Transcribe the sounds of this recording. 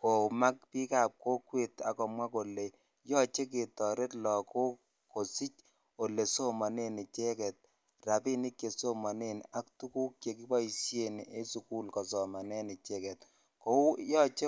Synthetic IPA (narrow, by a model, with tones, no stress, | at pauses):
ko˨ma˦k̚pi˦ka˨p̚ko˦kwe˦˨ta˨kɔ˨mwa˦ko˨le˨ | jɔ˦t͡ʃe˦k̬e˨tɔ˨ɾe˦tlɔ˨ko˦ | ko˨si˦t͡ʃ | o˨le˨so˦ma˨ne˦ni˨t͡ʃɛ˦kɛ˨t̚ | ra˨pi˦ni˦kje˨so˦ma˨ne˦na˦ktu˦ku˦k̚je˨ki˦ba˦isje˦˨ne˦su˨ku˦lkɔ˨s̬ɔ˨ma˨nɛ˦ni˨t͡ʃɛ˦kɛ˨t̚ | ko˨˦jɔ˦t͡ʃe˦